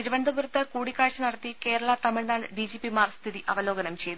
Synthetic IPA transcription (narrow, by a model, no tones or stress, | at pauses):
niɾuʋɐnd̪ɐbuɾut̪ːɐkuːɽikːaːɻt͡ɕːɐnɐɽɐt̪ːike̞ːɾɐɭɐt̪ɐmiɭnaːɳɖid͡ʑiːpimaːrst̪ʰiðiʔɐ̰ʋɐlo̞ːɡɐnɐmt͡ɕe̞jt̪u